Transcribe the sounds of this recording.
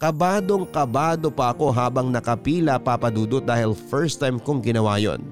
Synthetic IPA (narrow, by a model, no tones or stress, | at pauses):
kɐbaːd̪oŋkɐbaːd̪o̞pɐʔɐko̞ɦaːbɐŋnɐkɐpiːlɐpapɐd̪uːd̪ot̪̚d̪aːhɪlfɛɹst̪ːajmkʊŋɡɪnɐwaːjo̰n